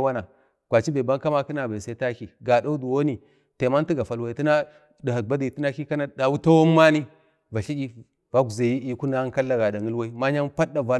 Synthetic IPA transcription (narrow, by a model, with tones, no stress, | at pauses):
wa˦na˨ | kʷa˨t͡ʃi˦ba˨ba˦ŋka˦ma˦ki˦na˨ba˨sa˦i˦ta˦ki˨ɡa˨da˦u˦du˨wo˦ni˨ | te˨ma˦n˦ti˦ɡa˨fa˨lwa˦i˨˦ti˦na˦ | da˨ha˨ba˦di˨ti˦na˦ki˦ka˦na˦˨da˨wu˦ta˦wo˦mː˦a˦ni˦ | va˨ɬi˦d͡ʒi˦ | va˦ɡu˨za˨ji˦i˦ku˦na˦ka˦lːa˦ɡa˨da˨ŋə˦lwa˦i˦ma˦ɲa˦npa˦da˨va˦